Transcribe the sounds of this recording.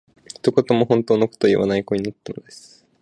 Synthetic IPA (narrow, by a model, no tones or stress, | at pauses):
çi̥t̪oko̞t̪o̞mo̞ɦõ̞nt̪oːnoko̥t̪ojḭβa̰naikoɲ̟inat̪ːanod̪esɨ̥